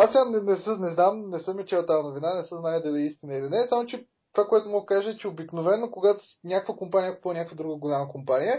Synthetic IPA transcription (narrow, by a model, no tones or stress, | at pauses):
asnɛnɛsənɛznamnɛsɤmit͡ʃɛwt̪aənovinanɛsəznajəd̪ɐlʲiist̪inəilinɛsamot͡ʃɛ | t̪ovakoɛt̪ʊmɔɡkaʒəɛt͡ʃɛobiknovɛnːokoɡat̪ʊnʲakəkvəkompanʲijəkoponʲakvəd̪ɾuɡəɡolʲaməkompanijə